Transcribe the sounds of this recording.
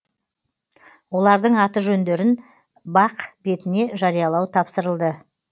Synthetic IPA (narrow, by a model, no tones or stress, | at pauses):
wo̞lˠɑɾd̪əɴɑt̪əʒɵnd̪e̞ɾɪn | bɑqb̥e̞t̪ɪne̞ʒɑɾijɑlˠɑwt̪ʰɑpsəɾəlˠd̪ə